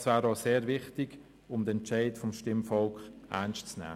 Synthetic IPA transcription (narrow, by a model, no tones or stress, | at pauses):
svæːɾɑseːɾvɪχtɪɡ | ʊmd̥̪əɛnt͡ʃaɪtfɔmʃtɪmfɔlkχʔæ̰nʃt͡snɛ̰ː